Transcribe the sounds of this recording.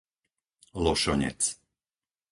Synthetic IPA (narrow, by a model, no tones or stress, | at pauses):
lɔʃɔɲɛ̰t͡s